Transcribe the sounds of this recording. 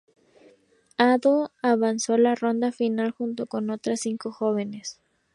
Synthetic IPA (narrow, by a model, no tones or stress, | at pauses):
aðoaβanso̞laro̞nd̪afinalxunt̪o̞ko̞no̞t̪ɾasːiŋko̞xo̞βe̞ne̞s